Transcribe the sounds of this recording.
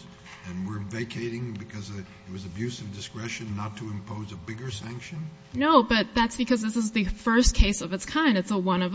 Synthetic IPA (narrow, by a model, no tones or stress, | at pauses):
ɨ̃nwɪɹveɪkʰeɪɾɪ̃ŋbɨkʰʌz | ɨt̚wʌzɨbjʉsʌvdɨskɹɛʃɨ̃nːətʰɨɨ̃mpʰoʊzəbɪɡə˞sæ̃ŋkʃɨ̃n | noʊbʌt̪̚ðætsb̥ɨkʰʌzðɪsɨzðɨfɜ˞skʰeɪsʌvɨtskʰãɪ̃ndɨtsəwʌ̃nʌv